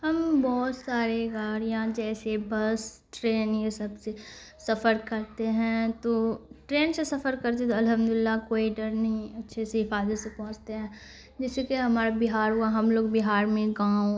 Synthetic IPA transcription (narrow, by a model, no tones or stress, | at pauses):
hɐmbɔːt̪saːɾeɡaːɾjɐɦãd͡ʒɛːsebɐs | ʈɾeːnjesɐbse | sɐfəɾkɐɾt̪eɦɛ̃t̪oːʈɾeːnsesɐfəɾkɐɾt̪eɦɛ̃t̪oɐlɦə̃md̪ʊlɪlːakoːiɖɐɾnɐɦĩɐtːʃʰeseɦɪfaːd̪əsepɔ̃ɦʊ̃t͡ʃt̪eɦɛ̃ː | d͡ʒɛːsekeɦɐmaːɾabɪɦaːɾɦuaɦɐmloːɡ̚bɪɦaːɾmẽɡaːo